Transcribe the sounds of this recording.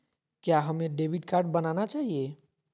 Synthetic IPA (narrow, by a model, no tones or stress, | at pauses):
kjaɦəmeɖebʱiʈ̚kaɾɖ̚bənanat͡ʃaɦije